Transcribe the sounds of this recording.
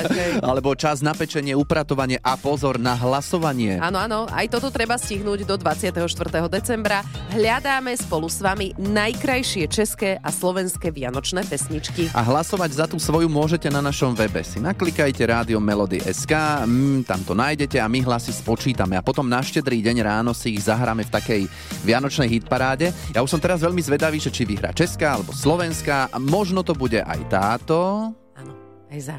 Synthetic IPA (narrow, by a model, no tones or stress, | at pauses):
alɛbɔt͡ʃaznapɛt͡ʃɛɲɪɛupɾat̪ɔʋaɲɪɛʔapɔzɔɾnaɦlasɔʋaɲɪɛaːnɔanɔa̰jt̪ɔt̪ɔt̪ɾɛbasciɦnuːɟd̪ɔd̪ʋat͡sɪat̪ɛɦɔʃt̪ʋr̩t̪ɛːɦɔd̪ɛt͡sɛmbɾaɦʎad̪aːmɛspɔlusʋaminajkɾajʃɪɛt͡ʃɛskɛːʔaslɔʋɛnskɛʋɪanɔt͡ʃnɛːpɛsɲit͡ʃkiʔa̰ɦlasɔʋaɟzat̪usʋɔjumʊɔʒɛcɛnanaʃɔmʋɛbɛ̰sinaklikajcɛɾaːd̪iɔmɛlɔd̪ḭʔɛ̰skaːt̪a̰mt̪ɔnaːjɟɛcɛamiɦlasispɔt͡ʃiːt̪amɛapɔt̪ɔmnaʃcɛd̪ɾiːɟɛɲɾaːnɔsiːɣzaɦɾamɛft̪akɛj | ʋɪanɔt͡ʃnɛjɦit̪̚paɾaːɟɛjauʃsɔmt̪ɛɾazʋɛʎmizʋɛd̪aʋiːʒɛt͡ʃiʋiɦɾa̰ːt͡ʃɛskaːalɛbɔslɔʋɛnskamɔʒnɔt̪ɔbuɟɛʔa̰jt̪aːt̪ɔ | anɔ | ajza